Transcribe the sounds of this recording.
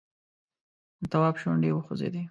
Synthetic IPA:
t̪awɑbʃoɳɖewəxozḛd̪i

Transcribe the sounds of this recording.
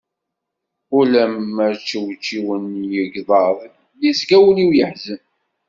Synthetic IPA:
ulæməɾt͡ʃːəwt͡ʃːiwənjəɡðˤɑðˤ | lisɡæwəliwjəħzən

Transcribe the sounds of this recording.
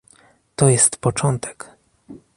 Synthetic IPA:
t̪ɔjɛst̪pɔt͡ʂɔnt̪ʰɛ̥k

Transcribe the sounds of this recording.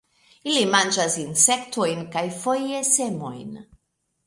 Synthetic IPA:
ilimand͡ʒazinsɛkt̪ojnkajfojesemo̰jn

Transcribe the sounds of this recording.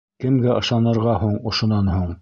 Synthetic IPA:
kɘ̆mɡæʔɤ̆ʃɑnɤ̆ɾʁɑhuɴŏʃŏnɑnhuɴ

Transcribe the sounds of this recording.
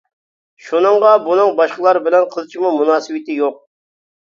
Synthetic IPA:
ʃunɨŋʁɑbunɨŋbɑʃqəlˠɑɾbɪlɛnqʰəlˠt͡ʃʰimumunɑːsɨwɪt̪ɪjoq̚

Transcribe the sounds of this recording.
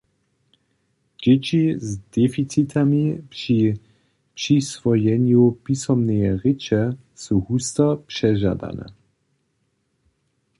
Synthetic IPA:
d͡ʑet͡ɕizd̪̥ɛfit͡sit̪ʰamipʃi | pʃisvɔjɛnjupisɔmnɛjɛʁɪt͡ʃɛ | suhust̪ɐpʃɛʒa̰d̪a̰nɛ̰

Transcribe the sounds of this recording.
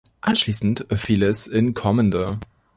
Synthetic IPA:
ʔanʃliːsn̩tɛfiːlɛsɪnkʰɔməndə

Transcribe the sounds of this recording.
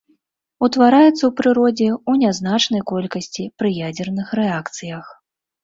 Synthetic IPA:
ut̪vaɾajɛt̪sːɐwpɾɨɾɔd͡zʲɛunʲaznat͡ʂnɐjkɔlʲkɐsʲt͡sʲipɾɨjad͡zʲɛrnɨxrɛakt̪sɨjɐx

